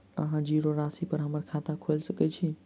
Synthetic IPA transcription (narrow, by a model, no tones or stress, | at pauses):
əɦãd͡ʒiːɾoɾaːsipəɾɦəməɾkʰaːt̪akʰoɪlsəkɛt͡ʃʰi